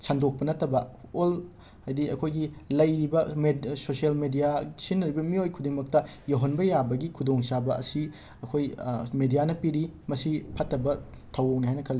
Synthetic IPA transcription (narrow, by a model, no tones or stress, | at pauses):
sandok̚pɐnɐtːɐbɐol | hajdiɐ̰kʰojɡilɐjɾibɐmesosielmedijasinːɐɾibɐmiojkʰudiŋmɐk̚tɐjɐɦonbɐjabɐɡikʰudoŋsabɐɐ̰si | ɐkʰojmedijanɐpiɾimɐsipʰɐtːɐbɐ | tʰɐwɐwniɦajnɐkʰɐlːi